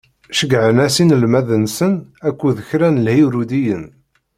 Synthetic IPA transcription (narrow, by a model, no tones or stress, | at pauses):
ʃəɡʕənæsinəlmæðənsənækʷːuðəçɾænəlhiwɾud̪ijən